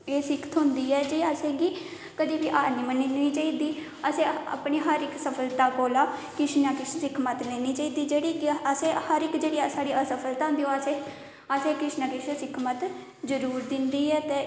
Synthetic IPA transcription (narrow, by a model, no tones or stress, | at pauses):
eːsɪkʰə̥t̪ɦʊ̃nd̪iːɛːd͡ʒeːəsẽːɡiː | kəd̪iːbiːʔaːɾniːməniːniːt͡ʃaːiːd̪iː | əsẽːa̰ːpniːɦəɾɪksəpʰəlt̪aːkoːlaːkɾɪʃnaːkɪssɪkʰmət̪leːniːt͡ʃaːiːd̪iːd͡ʒeːɽiːkɪəsẽːhəɾɪkd͡ʒeːɽiːsaːɽiːəsəpʰəlt̪aːnd̪iːõəseː | əseːkɾɪʃnaːkɪʃãsɪkʰmət̪ | zəɾuːɾd̪ɪnd̪iːɛːt̪eː